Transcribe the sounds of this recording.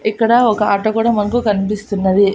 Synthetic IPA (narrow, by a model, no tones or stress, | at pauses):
ikːɐɽɐɔkɐaːʈɐkuːɽɐmɐnɐk̬ukɐnipist̪unːɐʋi